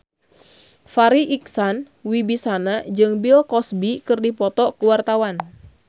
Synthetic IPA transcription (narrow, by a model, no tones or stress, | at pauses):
faɾiʔiksan | wibisanad͡ʒɨŋbilkɔsbikɨrdipɔt̪ɔkuwart̪awan